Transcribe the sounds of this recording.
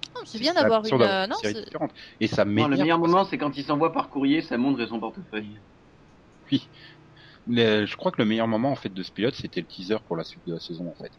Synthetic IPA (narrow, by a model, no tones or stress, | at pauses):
nɔ̃sɛbjɛ̃d̪avwaʁyʁd̪avanɔ̃seʁid̪ifeʁɑ̃t̪esameləjœʁmɔmɑ̃sɛkɑ̃t̪̬ilsɑ̃vwapaʁkuʁjesamɔ̃t̪χesɔ̃pɔʁt̪əfœj | wi | məʒəkχwakləmejœʁmɔmɑ̃ːfɛt̪̚d̪əsə̥pilɔt̪set̪ɛlət̪ʰizœʁpuʁlasɥit̪̚d̪əlasɛzɔ̃ɑ̃fɛt̪